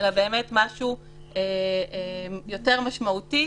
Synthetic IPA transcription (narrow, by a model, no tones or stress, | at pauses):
elabe̞ːme̞tmaʃu | e | jo̞te̞ʁmaʃmauti